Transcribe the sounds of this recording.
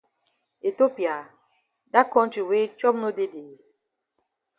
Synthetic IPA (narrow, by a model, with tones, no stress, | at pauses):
e˨to˦pi˨a˨ | da˦kɔ̃˦ntɾi˨we˦t͡ʃɔ˦mno˦de˦de˨